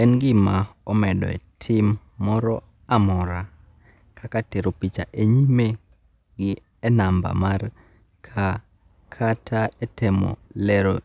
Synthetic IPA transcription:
ɛnɡɪmaɔmɛdɔ̰ɛ̰tʰɪmː | ɔɾɔ | amɔɾa | kʰakateɾopit͡ʃa̰ʔeɲime | ɡɪ | ɛnamba̰mar | kʰa | kʰatʰaɛtɛmɔ̰lɛɾo

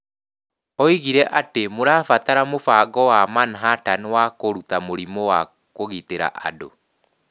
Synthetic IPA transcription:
ɔiɣiɾɛʔatemoɾafataɾamofaɡɔwamanɦatanwakoɾutamoɾimɔwa | koɣiteɾa̰ʔa̰do

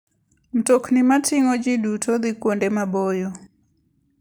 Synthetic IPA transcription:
m̩tɔknɪmatɪŋɔd͡ʒidutʰɔðikwondɛmabɔjɔ

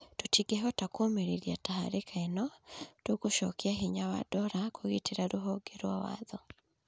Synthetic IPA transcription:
tutiɡeɦɔtakomeɾeɾjatahaɾekʰaenɔtokuʃɔ̰keaɦiɲawa̰dɔɾakoɣiteɾaɾuɦɔɡeɾwawa̰ðɔ

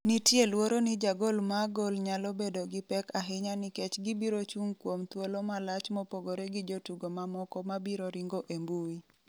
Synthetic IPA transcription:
nɪtjelwoɾonɪd͡ʒaɡolmaɡolɲalɔbedoɡɪpɛkaɦɪɲanɪkɛt͡ʃɡɪbiɾot͡ʃuŋkwomt̪wolomalat͡ʃmɔpoɡoɾeɡɪd͡ʒotuɡomamɔkɔmabiɾoɾɪŋɡoʔembui

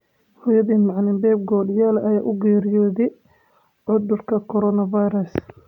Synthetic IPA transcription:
hʊjɐðiːnmɑʕnɪmbɛːb̚ɡɔːɖjaːlɐjaːʔʊɡɛːɾɪjɔːðɛ | ʕʊðʊrkʰɐkʰɔɾɔnɐvajɾɐs

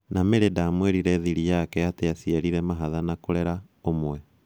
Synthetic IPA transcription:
nameɾedamweɾiɾɛðiɾijakɛatejasiaɾiɾɛmaɦaðanakoɾɛɾa | omwɛ

